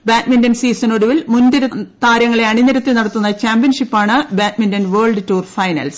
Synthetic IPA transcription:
baːtmindɐnsiːsɐnoɽuʋilmund̪iɾɐt̪aːɾjɐŋːɐɭe̞ɐɳinɐɾɐt̪ːinɐɽɐt̪ːunːɐt͡ɕaːmbijɐnʂipːaːɳɨbaːt̚mindɐnʋeːɭɖɨtuːrfɐjnɐ̰ls

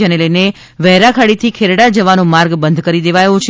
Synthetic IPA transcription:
eneləjne | ʋɛɦɾakʰaɽit̪ʰikʰeɾɽad͡ʒəʋanomaɾɡbənd̪ʱkəɾid̪eʋajõt͡ʃʰ

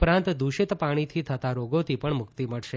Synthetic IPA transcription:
pɾãnt̪d̪uʃɪt̪paɽ̃it̪ʰit̪ʰət̪aɾoɡot̪ʰipəɳmʊkt̪iməɭʃe

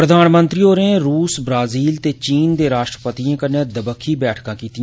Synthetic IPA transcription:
ɾəd̪ʱaːnmə̃nt̪ɾioːɾẽɾuːsbɾaːziːlt̪et͡ʃiːnd̪eːɾaːʃʈɾəpət̪iãːkənẽd̪əbəkʰːiːbɛːʈʰkãːkiːt̪iã

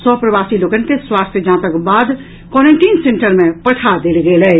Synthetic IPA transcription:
sɔːpɾəʋaːsiloːkənkeswaːst̪ʰd͡ʒãːt̪əkbaːd̪ | kɔːɾə̃ɳʈiːnsẽɳʈəɾmẽpɐʈʰad̪elɡelɛː

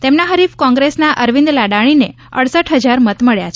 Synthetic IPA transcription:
t̪emnaɦəɾifkɔ̃ŋɡɾesnaʔəɾʋĩnd̪laɽaɽ̃ine | ə̰ɽsəʈɦəd͡ʒaɾmət̪məɭjat͡ʃʰ

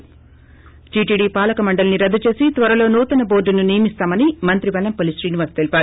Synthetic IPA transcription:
ʈiːʈiːɖiːpaːlɐkɐmɐɳɖɐlɐniɾɐd̪ːut͡ʃe̞ːsit̪ʋɐɾɐlo̞ːnuːt̪ɐnɐboːɾɖɐnunijɐmist̪aːmɐnimɐnt̪ɾibɐlɐmpolisʈɾiːniʋɐɾst̪elipaːɾu

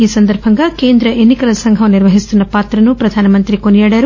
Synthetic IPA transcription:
iːsɐnd̪ɐɾbʱɐŋɡake̞ːnd̪ɾɐʔenːikɐlɐsɐŋɡʱɐʋniɾʋɐɦist̪unːɐpaːt̪ɾɐnupɾɐd̪ʱaːnɐmɐnt̪ɾikonijaːɽaːɾu

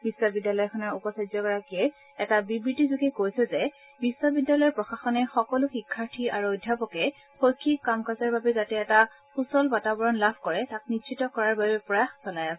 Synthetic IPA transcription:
bisːɔbidːalɔjɔkʰɔnɔɹupɔsad͡ʒɔɡɔɹakiɛː | tabibɹitizuɡɛkojsɛzɛ | bisːɔbidːalɔjɔɹpɹɔxaxɔnɛxɔkɔlʊxikʰːaɹtʰiaɹuɔjdʱjapɔkɛ | xojkʰːikːamkazaɹbabɛzatɛːta | xusɔlbatabɔɹɔnlabʱkɔɹɛtak̚nitʃitɔkɔɹaɹbabɛpɹɔjaxsɔlajasɛ

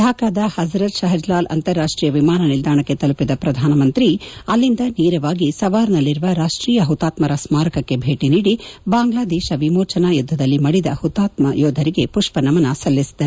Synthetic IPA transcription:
d̪ʱaːkaːd̪ɐhɐzɾɐt̪ʃɐɦɐd͡ʒlaːlʔɐ̰nt̪ɐɾːaːʂʈɾiːjɐʋimaːnɐnild̪aːɳɐkːe̞t̪ɐlupid̪ɐpɾɐd̪ʱaːnɐmɐnt̪ɾiɐlːind̪ɐniːɾɐʋaːɡisɐʋaːɾnɐlːiɾuʋɐɾaːʂʈɾiːjɐɦut̪ːaːt̪mɐɾɐsmaːɾɐkɐkːe̞bʱeːʈiniːɽibaːŋɡlaːd̪ɛːʃɐʋimoːt͡ʃɐnajud̪ʱːɐd̪ɐlːimɐɽid̪ɐ̰hut̪ːaːt̪mɐjɔːd̪ʱɐɾiɡe̞puʂpɐnɐmɐnɐsɐlːisi̥d̪ɐ

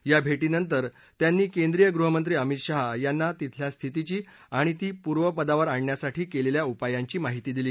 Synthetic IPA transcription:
jabʱeʈiːnənt̪̬əɾ | t̪janːiːkend̪ɾijəɡɾuɦəmənt̪ɾiːəmit̪ɕaɦajanːat̪it̪ʰljast̪ʰit̪it͡ɕiː | aɽ̃it̪iːpuɾʋəpəd̪aʋəɾaɳjasaʈiːkeleljaupajaɲt͡ɕiːmaɦit̪iːd̪iliː

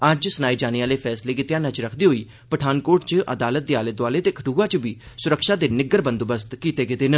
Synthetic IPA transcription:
əd͡ʒsənaːid͡ʒaːniːaːleːpʰɛːsleːkɪt̪ɪjãːnəd͡ʒɾəkʰd̪iːɦoiː | pəʈʰaːnkoːʈt͡ʃəʔə̰d̪aːlət̪̚d̪eːaːlət̪ʋaːleːt̪eːkʰəʈuːaːt͡ʃəbiː | sʊɾəkʃaːd̪eːnɪɡəɾbənd̪obəst̪kiːt̪eːɡɪt̪eːnə

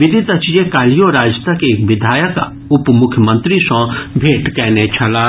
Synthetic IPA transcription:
ʋid̪ʱit̪ət͡ʃijekalijoɾad͡ʒt̪əkekʋid̪ʱaːjək | upmukʰjəmə̃nt̪ɾisɔ̃bʱeʈkɛːnet͡ʃʰɐla

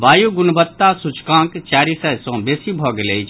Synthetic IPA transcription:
ʋaːjuɡʊnbət̪ːasut͡ʃkãːkt͡ʃaːɾisɐsõːbeːsibʱɔːɡlei

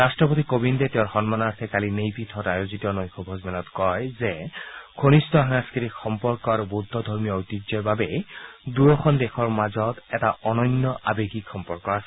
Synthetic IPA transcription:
ɹastɹɔpot̪ikobindɛteɔ̃ɹxɔnmanaɹsʰɛkalinejpitʰɔtajozitɔnɔjxʰɔbʱɔzmɛnɔtkɔjzɛɡʰonistɔɦaŋaskiɾikxɔmpɔɹkɔɹbod̪ʱːɔd̪ʱɔɹmijɔojtizɔɹbabɛduɹɔxʰɔndɛxɔɹmazɔtɛtaɔnɔnːɔʔabeɡikxɔmpɔɹkːɔasɛ

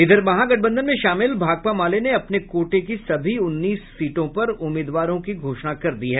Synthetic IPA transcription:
ɪd̪əɾbɐɦãɡɐʈ̚ʰbə̃nd̪ʱənmẽʃaːmɪlbʱaːɡ̚pamaːleneɐpnekoːʈek̬isɐbʱiʊnːiːssiːʈõpɐɾʊmːɪːd̪ʋaːɾõkiɡʱoːʃnakɐɾd̪iɦɛː

